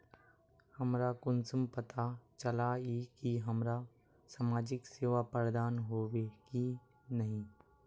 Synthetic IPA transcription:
hɐmɾakʊnsəmpət̪at͡ʃəlaikiɦɐmɾa | samaːd͡ʒɪkseːʋapəɾd̪aːnɦoːʋeki | nəɦĩ

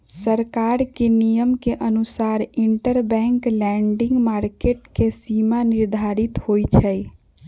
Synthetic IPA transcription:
səɾkaɾkenijəmkeʔənusaɾiɳʈəɾbɛ̃ŋklɛɳɖiŋɡmaɾkeʈkesimaniɾd̪ʱaɾit̪hojt͡ʃʰəj

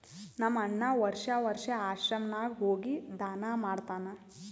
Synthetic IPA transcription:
nɐmːɐɳːɐʋɐɾʂɐʋɐɾʂɐaːʃɾɐmnaːɡɦoːɡid̪aːnamaːɖt̪aːnɐ

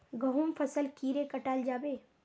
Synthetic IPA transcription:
ɡɐɦũːmpʰɐsəlkiːɾẽkɐʈaːld͡ʒaːbeː

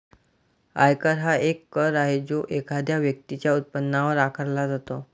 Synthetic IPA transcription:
a̰jkəɾɦaʔekːəɾaɦed͡zoʔekʰad̪jaʋjək̚t̪it͡ɕjaut̪̚pənːaʋəɾakʰəɾlad͡zat̪o

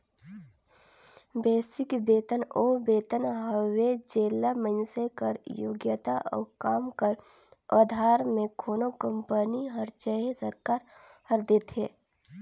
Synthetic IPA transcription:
beːsɪkbeːt̪ənoːbeːt̪ənɦəwed͡ʒeːlamənsekəɾjoːɡjət̪aʔɔ̰ːkaːmkəɾ | aːd̪ʱaːɾmẽkʰoːnokə̃mpəniɦəɾt͡ʃəɦesəɾkaːɾhəɾd̪et̪ɦeː

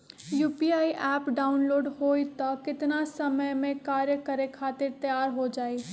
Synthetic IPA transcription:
juːpiaːiʔɛːpɖaːʊnloːɖɦoːit̪okɪt̪nasɐməjmẽkaːɾjəkəɾekʰaːt̪ɪɾt̪əjaːɾɦod͡ʒaːiː

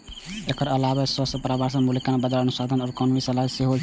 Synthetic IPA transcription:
ekəɾəlaβasəsəpɾabaɾsəmuləkanebəd̪ələnusad̪ʱənɔːɾkɔnmisəlaseɦo

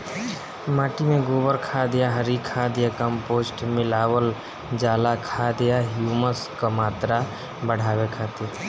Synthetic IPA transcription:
maːʈimẽɡoːbəɾkʰad̪ɪjaɦəɾikʰaːd̪ɪjakəmpoːsʈmɪlaːwəl | d͡ʒaːlakʰad̪ɪjaɦjuːməskamaːt̪ɾa | bəɽ̤aːwekʰaːt̪i

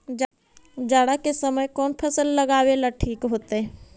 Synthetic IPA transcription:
d͡ʒ | d͡ʒaːɽakesəməjkɔːnpʰəsəlːɐɡaːwelaʈʰiːkɦoːt̪eɦɛ

